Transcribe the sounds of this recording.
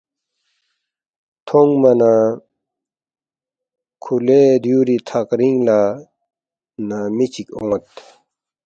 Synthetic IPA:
t̪ʰoŋmana | kʰuled̪juɾit̪ʰakɾiŋla | namit͡ɕʰikoŋt̪

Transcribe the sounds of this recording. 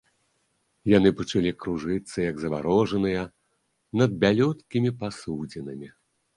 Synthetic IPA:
janɨpɐt͡ʂalʲikɾuʐɨt̪sːɐjɐɡzɐva̰ɾɔʐɐnɨjɐ | nɐd̪̚bʲalʲɔt̪kʲimʲipasud͡zʲinɨmʲi

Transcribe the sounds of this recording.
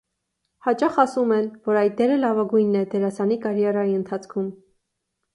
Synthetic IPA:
hɑt͡ʃɑχɑsumɛnvɔɾɑjt̪̚d̪ɛɾəlɑvɑɡujnːɛd̪ɛɾɑsɑnikɑɾjɑɾɑiənt̪ʰɑt͡sʰkʰum

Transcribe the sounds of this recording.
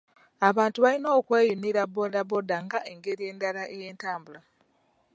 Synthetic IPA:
aβaːntuβalino̞ːkwe̞ːjuniɾabo̞daβo̞daŋɡae̞ŋɡe̞ɾije̞ːndalaʔeje̞ːntaːmbula

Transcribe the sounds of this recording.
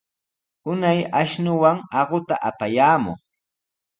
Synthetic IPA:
ʊnajaʃnʊwaŋɑɢʊt̪aʔapajaːmo̰χ

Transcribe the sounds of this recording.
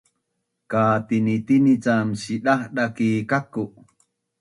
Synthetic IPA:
kaːt̪init̪init͡samɕiɗahɗakikaku

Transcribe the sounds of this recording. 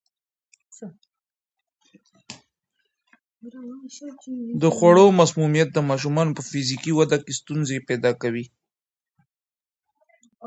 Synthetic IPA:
d̪əxwaɽomasmumijat̪̚d̪əmɑʃ̬umɑnopəfizikiwad̪akest̪unzepɛd̪ɑkawi

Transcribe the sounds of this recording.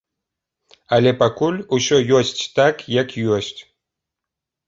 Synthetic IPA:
alʲepakulʲuɕojosʲtʲt̪akjakjoɕʲtʲ

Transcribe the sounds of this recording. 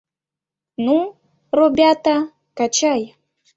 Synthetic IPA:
nu | robʲat̪a | kat͡ʃaj

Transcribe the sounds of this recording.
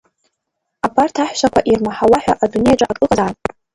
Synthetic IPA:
abartʰaħʷʃakʷʰaʔirmaħawaħʷᶣaʔadune̞jaʈ͡ʂʼaakʼɨlʼazatʼ

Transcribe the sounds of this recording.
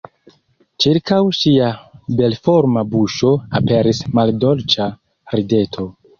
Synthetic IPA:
t͡ʃiɾkawʃiabe̞lfoɾmabuʃo̞ape̞ɾismaldo̞lt͡ʃa | ɾide̞tʰo̞

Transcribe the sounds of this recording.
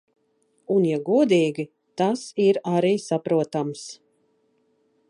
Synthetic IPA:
unjaɡuɔd̪iːɡʲi | t̪asiɾaɾiːsapɾuɔt̪ams

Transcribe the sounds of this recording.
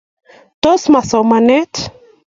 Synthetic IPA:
t̪osmasomanet

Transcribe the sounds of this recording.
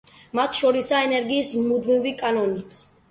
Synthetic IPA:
mat̪ʰʃɔɾisaɛnɛɾɡiːsmud̪mivikʼanɔnit̪sʰ

